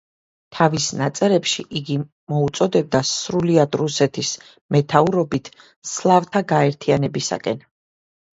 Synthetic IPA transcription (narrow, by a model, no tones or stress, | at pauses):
t̪ʰavisnat̪sʼɛɾɛpʃiʔiɡi | mɔut̪sʼɔd̪ɛb̚d̪asɾuliad̪ɾusɛt̪ʰis | mɛt̪ʰauɾɔbit̪ʰ | slˠavt̪ʰaɡaɛɾt̪ʰianɛbisa̰kʼɛn